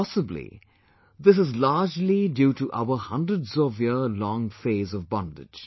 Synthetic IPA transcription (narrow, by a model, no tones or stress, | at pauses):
ɔsəblḭ | ðɪs̬ɨzlaːd͡ʒlidjuːtuʔa̰əhʌ̃ndɹədzɔvjəlɔ̃ŋfeɪzɔvbɑ̃ndɪ̰̥d͡ʒ̥